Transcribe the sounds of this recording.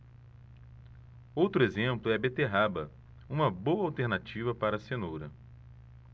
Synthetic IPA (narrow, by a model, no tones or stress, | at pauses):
owt̪ɾʊezẽmplʊɛbet̪eɦabɐ | ũmɐbowɐawt̪eɾnat͡ʃivɐpaɾɐːsenoɾɐ